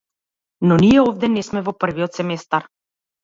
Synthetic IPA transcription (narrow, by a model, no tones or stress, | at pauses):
nɔnijɛɔvd̪ɛnɛsmɛvɔpr̩viɔt̪sɛmɛst̪aɾ